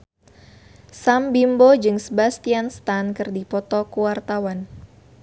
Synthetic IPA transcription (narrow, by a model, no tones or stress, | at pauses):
sambimbod͡ʒɨŋsəbast̪ianst̪ankɨrdipɔt̪ɔkuwart̪awan